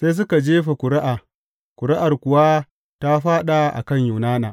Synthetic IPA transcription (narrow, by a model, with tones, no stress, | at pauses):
se˦js̬ʊ˦ka˨d͡ʒeː˦ɸe˨kʷʊ˨ɾɪ˦ʔaː˨ | kʷʊ˨ɾɪ˦ʔa˨rkʷʊ˨wa˦ | ta˦ɸaː˦ɗa˨ʔa̰˨kɐ˦˨ɲjʊ˨naː˦naː˨